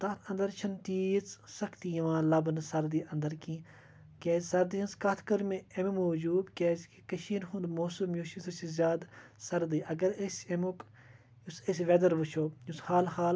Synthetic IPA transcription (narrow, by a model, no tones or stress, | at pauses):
t̪ɐt̪ʰɐ̃nd̪ɐɾt͡ʃʰɐnt̪iːt͡ssɐkʰt̪ijʋãːlɐbnsɐɾd̪iːɐ̃nd̪ɐɾkĩː | kɛːzsɐɾd̪ijɐnskɐt̪ʰkɐɾmẽememoːd͡ʒuːbkʲɛːzkikɐʃiːnɦund̪moːsumjuːʃisɐsizʲaːd̪sɐɾd̪iːʔɐɡɐɾesʲemok | usesʲʋɛd̪ɐɾʋɨt͡ʃʰoːushaːlɦaːl